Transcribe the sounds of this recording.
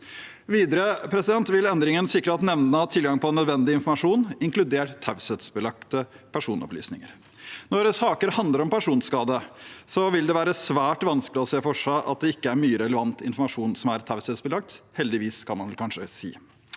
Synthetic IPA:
ʋiːd̪əɾəpʰɾɛsɪd̪ɛnt̪ʋɪlɛnd̪ɾɪŋənsɪkːɾəɑt̪nɛʋnət̪ʰɪlɡɑŋpʰɔnːœd̪ʋɛnd̪ɪɪnfɔɾmɑʂuːnɪŋklʉd̪eːʈt̪ʰːaʉsɛt̪sbəlɑk̚t̪əpʰæʂuːnɔ̰ply̰ːsnɪ̰ŋə̰ɾ | nɔsɑːkəɾhɑnd̪ləɾɔmpæʂuːnskɑːd̪əsɔʋɪld̪ɛʋæːɾəsʋæːʈʋɑnskəlɪɔseːfɔʂæʔɑ̰t̪̚d̪ɛɪkːəæɾmyːəɾɛləʋɑnt̪ɪ̰nfɔɾmɑʂuːnsɔmæɾt̪ʰɑʉsɛt̪sbəlɑk̚t̪hɛld̪ɪʋiːskʰɑnmɑnʋɛlkʰɑnʂəsḭː

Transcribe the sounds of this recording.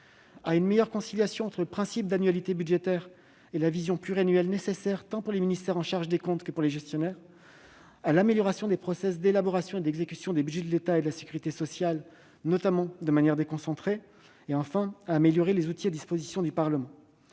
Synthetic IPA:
aynmejœʁkɔ̃siljasjɔ̃ɑ̃t̪χələpχɛ̃sip̚d̪anɥalit̪ebyd̪ʒet̪ɛʁ | elavizjɔ̃plyʁeanɥɛlnesesɛʁt̪ɑ̃puʁleminist̪ɛʁɑ̃ʃaʁʒd̪ekɔ̃t̪kəpuʁleʒɛst̪jɔnɛʁ | alameljɔʁasjɔ̃d̪epχɔsɛs̬d̪elabɔʁasjɔ̃ed̪ɛɡzekʲysjɔ̃d̪ebyd̪ʒɛd̪əlet̪aed̪əlase̥kʲyʁit̪esɔsjal | nɔt̪amɑ̃d̪əmanjɛʁd̪ekɔ̃sɑ̃t̪χe | eɑ̃fɛ̃aːmeljɔʁelezut̪iad̪ispozisjɔ̃d̪ypaʁləmɑ̃

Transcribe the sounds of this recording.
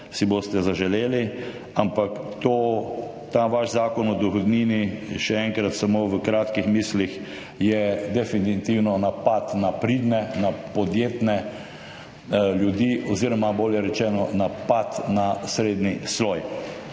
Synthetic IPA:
siboːst̪ɛzaʒɛleːli | ampakt̪o | t̪aʋaʃzaːkɔnɔd̪ɔxɔd̪niːniʃɛɛŋkɾat̪samoʋəkɾaːt̪kixmiːslix | jɛd̪ɛfinit̪iwnɔnapat̪napɾid̪nɛnapɔd̪jeːt̪nɛ | ljud̪iːʔɔziːɾɔmaboːljɛɾɛt͡ʃɛːnɔnapat̪nasɾed̪nisloːj

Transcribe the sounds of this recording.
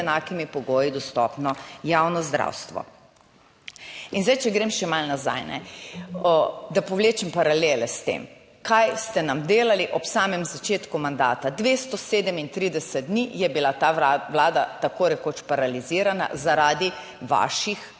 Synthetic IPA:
ɛnaːkimipɔɡoːjid̪ɔst̪ɔ̰pnɔjawnɔzd̪ɾa̰wst̪ʋɔ̰ | inzd̪ajt͡ʃɛɡɾemʃɛmalnaza̰jnɛ̰ | d̪apɔwleːt͡ʃɛmpaɾaleːlɛst̪ḛːm | kajst̪ɛnamd̪eːlaliʔɔpsaːmɛmzat͡ʃeːt̪kumand̪aːt̪ad̪ʋeːst̪ɔseːd̪ɛmint̪ɾid̪ɛsɛt̪̚d̪nijɛbilat̪aʋlaːd̪at̪akoɾɛkoːt͡ʃpaɾaliziːɾana̰zaɾaːd̪i | ʋa̰ːʃix

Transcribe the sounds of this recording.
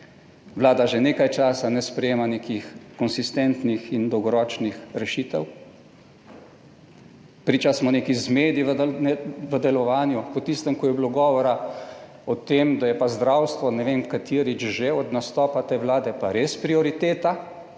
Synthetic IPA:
ʋlaːd̪aʒeneːkajt͡ʃaːsanɛspɾɛjeːmaneːkixkɔnsist̪ɛnt̪nixind̪ɔwɡɔɾɔːt͡ʃnixɾɛʃiːt̪ɛw | pɾit͡ʃasmɔneːkizmeːd̪iʋnɛʋəd̪ɛlɔʋaːnjupɔt̪ist̪əmkɔjɛbiloɡɔːʋɔɾa | ɔt̪eːmd̪ajɛpazd̪ɾaːwst̪ʋɔnɛʋemkat̪ʰiːɾit͡ʃʒeɔd̪nast̪ɔːpat̪eʋlaːd̪ɛpaɾespɾiɔɾit̪eːt̪a

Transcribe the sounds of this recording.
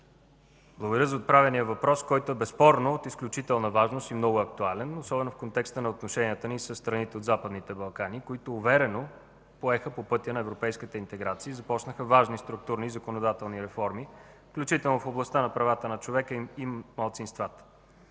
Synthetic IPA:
blˠəɡoɡd̪əɾjəzəot̪̚pɾavʲɛnijəvɐpɾɔskɔjt̪oɛbɛspɔɾnoːt̪isklʲut͡ʃit̪ɛlˠnəvaʒnost̪imnɔɡʊɐk̚t̪ualɛnosɔbɛnofkont̪ɛkst̪ənɐot̪noʃɛniət̪ənisəsːt̪ɾɐnit̪ɛod̪zapəd̪nit̪ɛbɐlˠkanikoit̪oːvɛɾɛno | poɛxəpopɤt̪ʲənɐɛvɾopɛjskit̪əint̪ɛɡɾat̪siːzɐpɔt͡ʃnəxəvaʒnist̪ɾʊk̚t̪uɾniːzɐkonod̪at̪ɛlˠniɾɛfɔɾmi | fklʲut͡ʃit̪ɛlˠnofoblˠɐst̪anɐpɾɐvat̪ənɐt͡ʃovɛkəiimmɐlˠt̪sinst̪vat̪ə̥

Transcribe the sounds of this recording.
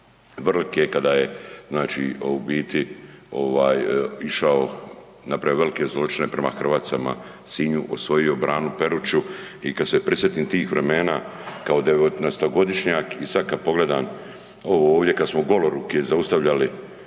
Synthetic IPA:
ʋrlkekad̪ajeznaːt͡ʃḭoubiːt̪io̞̰ʋaːjiʃao | napɾajoʋe̞like̞zlˠo̞t͡ʃine̞pɾe̞maxr̩ʋaːt̪sama̰ | siːɲuʔosʋo̞io̞bɾaːnupe̞ɾut͡ʃu | ikad̪sepɾisjet̪iːmt̪iːxʋɾe̞me̞ːnakao̞d̪eʋot̪nast̪oɡo̞d̪iʃɲakisad̪̚kad̪̚po̞ɡle̞d̪aːn | o̞ʋooːʋd̪ʲje̞kad̪smoɡo̞loɾukezaust̪aʋʎali

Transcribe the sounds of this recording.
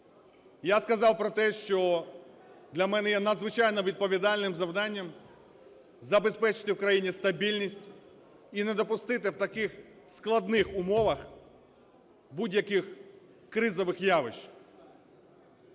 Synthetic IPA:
jaskɐzɑwpɾɔt̪ɛʃt͡ʃɔ | d̪lʲɐmɛnɛjɛnɐd̪zʋɪt͡ʃɑjnɔʋʲid̪̚pɔʋʲid̪ɑlʲnɪmzɐwd̪ɑnʲːɐm | zɐbespɛt͡ʃɪ̥t̪ɪwkɾɐjinʲist̪ɐbʲilʲnʲisʲtʲ | ined̪ɔpʊst̪ɪt̪ɪwt̪ɐkɪxsklˠɐd̪nɪxʊmɔʋɐx | budʲjɐkɪx | kɾɪzɔʋɪxjaʋɪʃ

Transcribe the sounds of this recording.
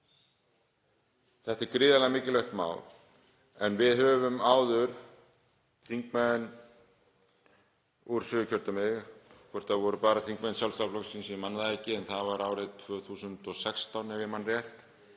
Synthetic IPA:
θɛht̪ɪɾkɾɪːðalɛɣamɪːcɪlœxt̪ma̰ːwl | ɛnvɪðɦœːvʏmaːwðʏɾ̥ | θiŋkmɛðn | uɾ̥sʏːʏcʰœɾt̪amɪɣkʰɔɾ̥t̪aðvɔɾʏpaːɾaθiŋk̚mɛðnsjawlst̪aplɔksinsɛmanːðaðɛcːɪɛnθaðvaɾaːwɾɪðt̪ʰvœːθuːsʏnt̪ɔsɛkst̪awnɛvjɛmanrjɛht̪

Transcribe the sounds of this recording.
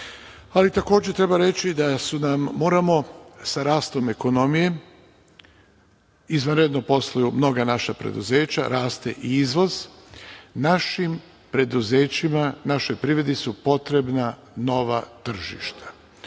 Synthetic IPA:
alit̪ako̞ːd͡ʑet̪ɾe̞baɾe̞t͡ʃid̪asunamːo̞ːɾamo̞saɾaːst̪o̞me̞ko̞no̞mije̞ | izʋanɾed̪nopo̞slˠajumno̞ɡanaʃapɾḛd̪uze̞ːt͡ɕa̰ɾaːst̪e̞̰ʔiizʋo̞z | naʃim | pɾe̞d̪uzeːt͡ɕimanaʃo̞jpɾiːʋɾed̪isupo̞t̪ɾe̞bna | no̞ʋat̪r̩ʒḭʃt̪ḁ

